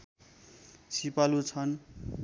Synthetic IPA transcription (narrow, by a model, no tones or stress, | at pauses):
sipalut͡sʰʌn